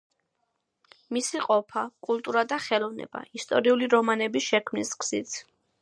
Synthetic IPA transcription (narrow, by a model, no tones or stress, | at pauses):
misiqʼɔpʰakʼulˠt̪ʼuɾad̪aχɛlˠɔvnɛ̰ba̰ist̪ʼɔɾiuliɾɔmanɛbisʃɛkʰmniskʰz̥it̪ʰ